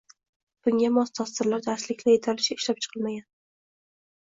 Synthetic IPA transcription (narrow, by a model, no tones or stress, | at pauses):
b̥ʊŋɡʲamɒst̪ʰɒst̪ɪɾlaɾd̪aslɪkʲlajet̪ʰalɪʃɪɪʃlap̚t͡ʃʰɨ̥qʰɨlˠmaɡʲan